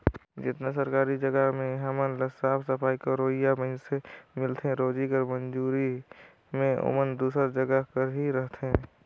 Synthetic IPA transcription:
d͡ʒɪt̪nesəɾkaːɾid͡ʒəɡəɦmẽɦəmənləsaːfʰsəpʰaːikoɾoːɦɪjaməɪnsemɪlt̪ʰeɦɛ̃ɾoːd͡ʒikəɾmə̃nd͡ʒuːɾi | mẽo̰mənd̪uːsəɾd͡ʒəɡəkəɾɦiɾəɦt̪ʰeɦɛ̃ː

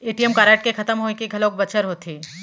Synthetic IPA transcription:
eːʈijəmkaːɾaːʈ̚kexʰɐt̪əmɦoːekeɡʱɐlõːk̚bɐt͡ʃʰəɾɦoːt̪ʰiː

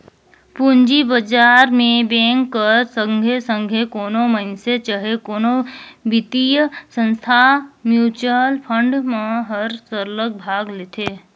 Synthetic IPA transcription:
pund͡ʒibəd͡ʒaːɾmẽbɛ̃ːŋkːəɾsəŋɡʱesə̃ŋɡʱekoːnoməɪnset͡ʃəɦekoːnobɪt̪ijəsə̃nst̪ʰamjuːt͡ʃəlpʰə̃ɳɖmãɦəɾsəɾlək̚bʱaːɡlet̪ʰeː

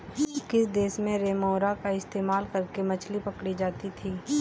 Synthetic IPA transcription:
kɪsd̪eːsmẽɾeːmoːɾakaɪst̪eːmaːlkɐɾkemɐt͡ʃʰlipɐkɽid͡ʒaːt̪it̪ʰiː

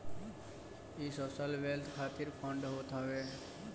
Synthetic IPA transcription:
isosəlʋelt̪ʰkʰat̪iɾpʰə̃ɳɖɦot̪aʋe

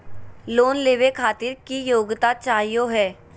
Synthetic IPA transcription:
loːnleːʋekʰaːt̪ɪɾkijoːɡt̪aːt͡ʃaːɦijoːɦɛː

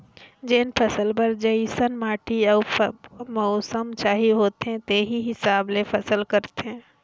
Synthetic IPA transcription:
d͡ʒenpʰəsəlpəɾd͡ʒəisənmaːʈiəːmɔʊsəmt͡ʃaːɦiɦoːt̪eɦɛ̃t̪eːɦiɦɪsaːblepʰəsəlkəɾt̪eɦɛ̃

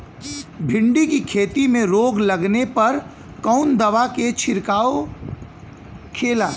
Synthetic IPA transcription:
bʱɪ̃ɳɖikikʰeːt̪imẽɾoːɡlɐɡnepɐɾ | kɔʊnd̪ɐʋaket͡ʃʰɪɾkaːo | kʰeːlaː

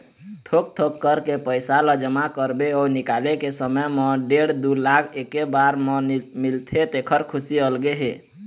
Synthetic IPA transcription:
t̪ʰok̚t̪ʰokːəɾkepəɪsaləd͡ʒəmakəɾbeɔnikalekesəməjmɔ̃ɖeɽd̪ulakʰekːebaɾməmilt̪ʰet̪ekʰəɾkʰusiəlɡeɦe

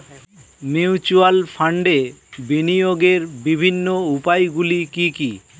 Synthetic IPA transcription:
miut͡ɕualfʰaɳɖebinijoɡeɾbibʱinːoupajɡulikiki

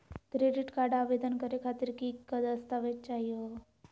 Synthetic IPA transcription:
kɾeɖiʈkaɾɖaʋed̪ənkəɾekʰat̪iɾkikːəd̪əst̪aʋet͡ʃaɦjo

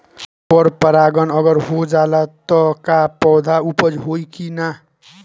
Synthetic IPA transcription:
pʌɾpʌɾaɡʌnʌɡʌɾɦod͡zalat̪ʌkapʌwd̪ʱaupʌd͡zɦojkina

